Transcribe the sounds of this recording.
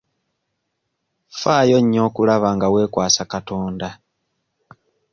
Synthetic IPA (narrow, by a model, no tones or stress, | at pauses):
faːjoɲːo̞ːkulaβaŋɡawe̞ːkwaːsakato̞ːnda